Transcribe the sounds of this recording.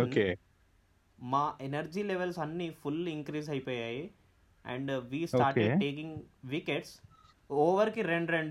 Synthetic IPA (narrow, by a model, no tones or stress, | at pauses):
oke | maːʔenɐɾd͡ʒiːleʋelsɐnːifuliŋkɾiːs̬ɐjpoːjaːji | ɛ̰̃ɳɖʋiːsoaːɾkeʈeːkĩŋɡʋikeʈs | oːʋɐɾkiɾeɳɖɾeɳɖ